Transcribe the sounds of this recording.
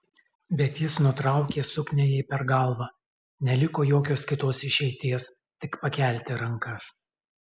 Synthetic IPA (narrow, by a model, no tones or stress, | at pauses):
bʲɛt̪jɪsnʊt̪ɾɑˑʊkʲeːsʊknʲejɛɪpʲɛɾɡɐˑlˠʋɑː | nʲɛlʲɪkoːjoːkʲoːskʲɪt̪oːsɪʃʲɛɪt̪ʲiɛs | t̪ʲɪkpɐkʲæˑlʲt̪ʲɪɾɐŋkɐs